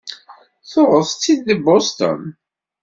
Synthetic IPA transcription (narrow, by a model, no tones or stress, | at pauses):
θʊʁəθt͡sːid̪ːəbost̪ə̰n